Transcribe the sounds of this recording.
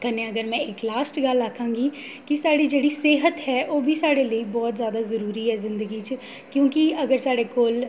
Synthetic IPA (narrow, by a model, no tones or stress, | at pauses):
kənẽːəɡəɾmɛ̃ːɪklaːsʈɡəlakʰãːŋɡiː | kɪsaːɽiːd͡ʒeːɽiːseːɦət̪ɦɛːʔoːbʱiːsaːɽeːləiːbɔːt̪zjaːd̪aːzəɾuːɾiːɦɛːzɪ̃nd̪əɡiːt͡ʃ | kjõːkiəɡəɾsaːɽeːkoːl